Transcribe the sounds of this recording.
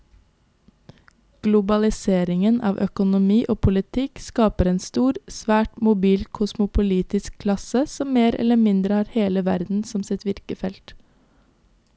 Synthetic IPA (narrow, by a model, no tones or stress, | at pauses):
ɡ̥lʊbɑlɪseːɾɪŋənʔɑ̰ːʋʔœkʊnʊmiːʔoːpʰʊlɪt̪ʰɪkskɑːpəɾeːnst̪uːɾsʋæːʈmʊbiːlkʰʊsmʊpʰʊliːt̪ɪskʰlɑsəsɔmmeːɾʔɛ̰ləmɪnd̪ɾəhɑːɾheːləʋæɾd̪n̩sɔmsɪt̪ʋɪɾkəfɛlt̪